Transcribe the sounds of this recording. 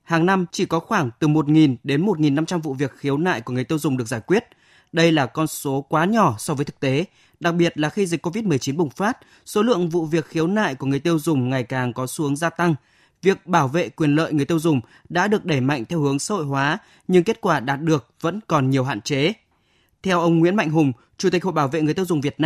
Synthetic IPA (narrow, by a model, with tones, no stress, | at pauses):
haː˨˩ŋna˧mt͡ɕi˧˩kɔ˨˦xwaː˧˩ŋt̪ɨ˨˩mo˨˩t̚ŋi˨˩nɗe˨˦nmo˨˩t̚ŋi˨˩nːa˧mt͡ɕa˧mvṵ˧˨vi˨˩ək̚xi˨˦əwna̰ː˧˨jku˧˩əŋɨ˨˩əjt̪i˧ə˧wzʊ˨˩ŋ͡mɗɨ˨˩ək̚z̥aː˧˩jkwi˦˥ət̚ | ɗə˧jlaː˨˩kɔ˧nso˨˦kwaː˨˦ɲɔ˧˩sɔ˧vəː˨˦jt̪ʰɨ̥˨˩t̪e˨˦ | ɗa˨˩k̚ɓi˨˩ət̚laː˨˩xi˧zi˨˩k̟kːo˧vi˦˥t̚mɨ˨˩ət͡ɕi˨˦nɓʊ˨˩ŋ͡mfaː˦˥t̚ | so˨˦lɨ̰˧˨əŋvṵ˧˨vi˨˩ək̚xi˨˦əwna̰ː˧˨jku˧˩əŋɨ˨˩əjt̪i˧əwzʊ˨˩ŋ͡mŋa˨˩jkaː˨˩ŋkɔ˨˦su˨˦əŋzaː˧t̪a˧ŋ | vi˨˩ək̚ɓaː˧˩wvḛ˧˨kwi˨˩ənlə̰ː˧˨jŋɨ˨˩əjt̪i˧ə˧wzʊ˨˩ŋ͡m | ɗa̰ː˧˥ɗɨ˨˩ək̚ɗe˧˩ma̰˧˨jŋt̪ʰɛ˧whɨ˨˦əŋsa̰ː˧˦ho̰˧˨jɦwaː˨˦ | ɲɨ˧ŋke˦˥t̚kwaː˧˩ɗaː˨˩t̚ɗɨ˨˩ək̚və̰˧˥nkɔ˨˩nɲi˨˩əwɦa̰ː˧˨nt͡ɕe˨˦ | t̪ʰɛ˧wʔə˧wŋ͡mŋwḭ˧˥ənma̰˧˨jŋ̟ɦʊ˨˩ŋ͡m | t͡ɕu˧˩i˨˩k̟ho̰˧˨ɓaː˧˩wvḛ˧˨ŋ˨˩əjt̪i˧wzʊ˨˩ŋ͡mvi˨˩ət̚naː˧